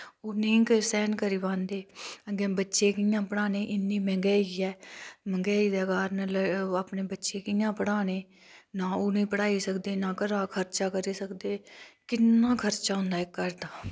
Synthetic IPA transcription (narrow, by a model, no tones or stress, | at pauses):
oːnĩːkəsɛːnkəɾiːʋãːnd̪eːəɡɛ̃ːbətːʃeːkɪjãːpəɽaːneːʔɪnːĩːmɛ̃ŋɡɛːiːɛːmə̃ɡɛːiːd̪aːkaːɾnələaːpneːbətːʃeːkɪːjãːpəɽaːneː | naːoːnĩːpəɽaːiːsəkd̪eːnãːkəɾaːkʰəɾt͡ʃaːkəɾiːsəkd̪eːkɪnːãːkʰəɾt͡ʃaːɦʊ̃nd̪aːɪkːəɾd̪aː